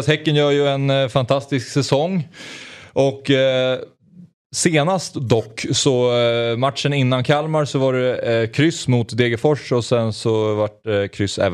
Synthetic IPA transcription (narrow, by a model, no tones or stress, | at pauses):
shɛkːənjœːɾjɵɛnfant̪ʰast̪ɪsksɛsɔŋː | ʔɔkː | seːnast̪d̪ɔkːsɔmat̪ʂənɪnːankʰalmaɾsɔvaɖɛkʰɾʏsmʊt̪d̪eːɡəfɔʂɔsɛnsɔvaʈkʰɾʏsːɛ̰ːv